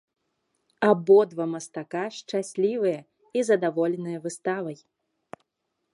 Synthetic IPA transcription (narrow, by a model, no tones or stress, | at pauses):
abɔd̪vɐmɐst̪akaʂt͡ʂasʲlʲivɨjɐ | izɐd̪avɔlʲɛnɨjɐvɨst̪avɐj